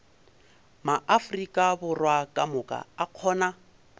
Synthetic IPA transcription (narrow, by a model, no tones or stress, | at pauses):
maʔafʊrikʼabʊrwakʼamʊkʼa̰aq͡χʰɔːna